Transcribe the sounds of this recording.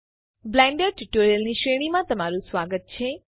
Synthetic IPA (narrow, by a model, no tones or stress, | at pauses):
blɛ̃ɳɖəɾʈuʈoɾijəlniʃeɽ̃imãt̪əmaɾũsʋaɡət̪̚t͡ʃʰe